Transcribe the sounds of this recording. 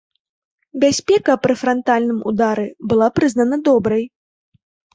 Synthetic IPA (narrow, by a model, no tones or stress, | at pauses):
bʲasʲpʲɛkɐpɾɨfɾant̪alʲnɨmṵd̪aɾɨbɨlˠapɾɨznɐnɐd̪ɔbɾɐj